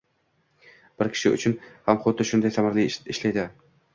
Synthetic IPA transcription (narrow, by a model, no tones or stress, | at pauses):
b̥ɪɾkʲʰɪ̥ʃɪʊ̰t͡ʃʰʊnhamχot̪ːɪʃʊnd̪ajsamaɾliɪʃlajd̪ɪ